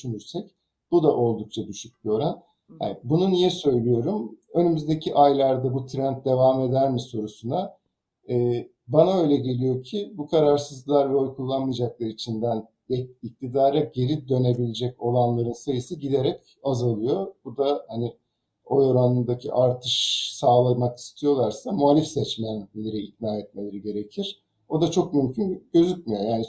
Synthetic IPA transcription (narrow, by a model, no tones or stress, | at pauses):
dyʃynyɾsɛc | b̥ud̪aʔo̞lˠd̪uk̚t͡ʃʰad̪yʃyc̚bio̞ɾan | ha̰nbununijɛsø̞jlʲijo̞ɾumø̞nymyzd̪e̞cʰiʔajlʲˠaɾd̪abut̪ʰɾɛnt̪̚d̪e̞vaːme̞d̪æɾmiso̞ɾusuna | ɛː | banaø̞jlʲɛɟe̞lʲijo̞cʰibukʰaɾaɾsɯzlˠaɾvɛojkʰulˠːanmːɯjd͡ʒak̚lˠaɾɯit͡ʃʰind̪æn | ɛic̚t̪ʰid̪aːɾaɟe̞ɾid̪ø̞ne̞bilʲed͡ʒɛco̞lˠanlˠaɾɯnsajɯsɯɟid̪eɾɛc | azalˠɯjo̞bud̪ahanɪ | o̞joɾanɯnd̪acʰḭʔaɾt̪ʰɯʃsaːlˠamaki̥st̪ʰijo̞lˠaɾsamualʲifsɛt͡ʃmænlʲeɾɛik̪naːɛt̪̚me̞lʲeɾiɟe̞ɾecʰiɾ̥ | o̞d̪at͡ʃʰo̞kmymcʰynɟø̞zyc̚ʲmijojaːni